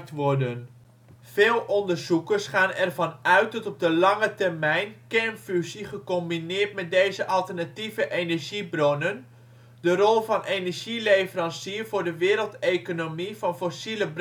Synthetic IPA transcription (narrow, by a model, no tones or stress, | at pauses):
tʋɔrdən | v̥eːlˠʔɔndərzukərsχaːnɛrvɑnœɥtɔtɔp̚dəlɑŋətɛrmɛjnkɛnfysiχəkombinɪːtmɛt̚dejzəʔɑlˠtərnativəʔenəɹʒibronən | dərɔlˠvɑnʔenəɹʒilevərɑnsiərvʊːɹdəʋɪːɾəlˠtekonomivɑnfosiləb